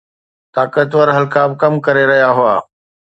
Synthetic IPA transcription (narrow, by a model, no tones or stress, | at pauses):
t̪aːkət̪ʋəɾɦɐlkaːbkɐmkɐɾeɾɐɦijaɦʊa̰ː